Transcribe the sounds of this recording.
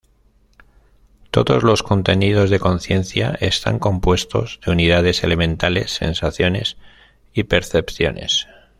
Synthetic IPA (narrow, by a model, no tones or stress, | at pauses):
t̪o̞̰ðo̞zlo̞sko̞nt̪e̞niðo̞zðe̞ko̞nθje̞nθja̰ʔe̞st̪a̰ŋko̞mpwe̞st̪ozðe̞uniðað̞e̞se̞le̞mẽ̞nt̪ale̞sːe̞nsaθjo̞ne̞̰s | ipe̞ɾθe̞pθjo̞̰ne̞̰s